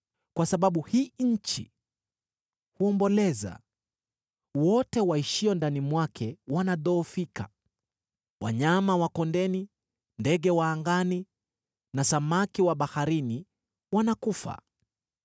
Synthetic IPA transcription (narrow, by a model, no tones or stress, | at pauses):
kwasaɓaɓuhiːɲ̩t͡ʃḭ | huɔmbɔlɛza̰ | wɔtɛwaiʃiɔndanimwakʰɛwanaðɔːfika̰ | wa̰ɲamawakɔndɛni | ndɛɠɛwaːŋɡani | nasamakiwaɓahaɾini | wanakufa̰